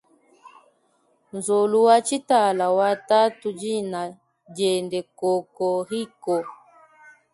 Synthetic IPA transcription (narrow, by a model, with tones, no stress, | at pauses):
nzɔ˨lu˨wa˦t͡ʃi˦ta˨la˨wa˦ta˦tu˨d͡ʒi˦na˨ | d͡ʒɛ˨ndɛ˨kɔ˨kɔ˨ɦi˦kɔ˨